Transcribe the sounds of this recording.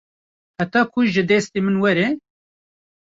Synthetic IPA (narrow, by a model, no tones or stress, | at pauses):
hat̪ɑːkʰʊʒɨd̪ɛst̪emɨnwɛɾɛ